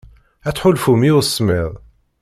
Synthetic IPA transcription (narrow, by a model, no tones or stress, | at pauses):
æt͡sːħʊlfumiʊsːmiʁˤ